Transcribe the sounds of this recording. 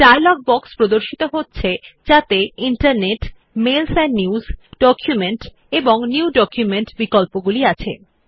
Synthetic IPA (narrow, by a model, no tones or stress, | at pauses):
ʈaɾlɔk̚bɔkspɾod̪oɾʃit̪oɦotːɕʰed͡ʑat̪eiɳʈaɾneʈ | melsɛnniuzɖɔkʰjumeɳʈ | eboŋniwɖɔkjumeɳʈbikolpoɡuliat͡ɕʰḛ